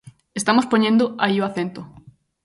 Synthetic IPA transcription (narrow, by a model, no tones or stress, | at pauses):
est̪amospoɲẽnd̪ʊaioaθẽnt̪ʊ